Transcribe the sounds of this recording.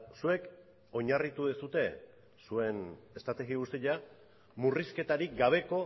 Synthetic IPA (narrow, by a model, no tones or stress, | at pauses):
sue̞k | o̞ɲarit̪uðesut̪e̞ | sue̞ne̞st̪ɾat̪eɣiust̪eʎa | muriske̞t̪aɾik̚ɡaβ̞e̞ko̞